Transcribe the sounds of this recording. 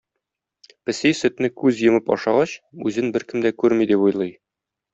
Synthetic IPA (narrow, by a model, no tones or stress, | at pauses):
pɘ̆sijsɵ̆t̪nɘkʉzjɤ̆mɤpɒ̰ʃɑʁɑɕʉzɘnbɘɾkɘ̆md̪ækʉɾmid̪ipujlˠɤj